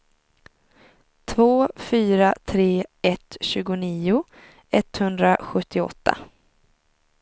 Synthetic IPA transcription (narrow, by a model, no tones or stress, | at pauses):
t̪ʰvoːfyːɾat̪ʰɾeːɛt̪ɕʉ̟ːɡʊniːʊ | ɛt̪hɵnd̪ɾaɧɵt̪ʰːɪɔ̰t̪ʰːa̰